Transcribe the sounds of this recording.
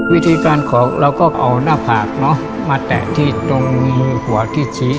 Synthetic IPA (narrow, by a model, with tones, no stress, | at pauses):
wi˦˥t̪ʰiː˧kaː˧nkʰɔː˩˦ŋɾa˧wkɔː˥˩ʔa̰˧wnaː˥˩pʰaː˨˩k̚nɔ˦˥ | maː˧t̪ɛ̰ː˨˩t̪ʰiː˥˩t̪o˧ŋmɯː˧hu˩˦ɐt̪ʰiː˥˩t͡ɕʰiː˦˥